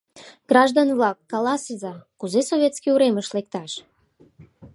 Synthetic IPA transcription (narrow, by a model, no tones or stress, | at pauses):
ɡ̥rɑʒd̪onvlɑkːɑlɑsizɑkuzesoβʲet̪t͡skiuɾeməʃlek̚t̪ɑʃ